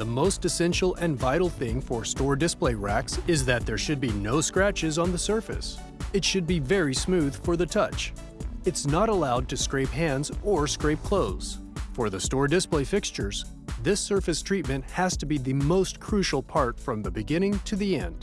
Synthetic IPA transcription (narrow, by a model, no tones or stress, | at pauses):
ðəmoʊstɨsɛ̃nʃl̩ˠɨ̃nvaɪɾl̩ˠθɪ̃ŋfə˞stɔɹdɨspleɪɹæksɪzðɨt̪̚ðə˞ʃɨd̚binoʊskɹæt͡ʃɨzn̩ðəsɜ˞fɨ̰s | ɨtʃɨd̚bivɛɹismʉð̥fə˞ðɨtʰʌt͡ʃ | ɨtsnəɾəlaʊd̚tʰɨskɹeɪpɦæ̃ndzə˞skɹeɪp̚kʰl̥oʊðz̥fə˞ðɨstɔɹdɪspleɪfɪkst͡ʃə˞z | ðɪsɜ˞fɨstʰɹ̥it̚mɨ̃nʔ̚hæz̥tʰɨbiðɨmoʊstkʰɹ̥ʉʃl̩ˠpʰɑɹtfɹʌ̃mðɨbɨɡɪ̃ñɪ̃ŋtʰɨðiɛ̰̃nd̥